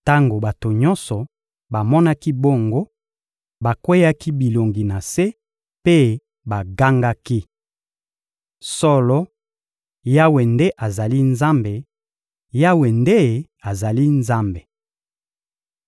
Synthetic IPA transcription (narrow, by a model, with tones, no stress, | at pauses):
ta˦ŋɡo˨ba˨to˨ɲɔ˦nsɔ˨ | ba˨mɔ˦na˦ki˦bo˦˨ŋɡo˦ | ba˨kwe˦ja˦ki˦bi˨lo˨ŋɡi˨na˨se˦ | pe˦ | ba˨ɡa˦ŋɡa˦ki˦ | sɔ˦lɔ˦ | ja˦we˨nde˦ʔa˨za˨li˦nza˦mbe˨ | ja˦we˨nde˦ | a˨za˨li˦nza˦mbe˨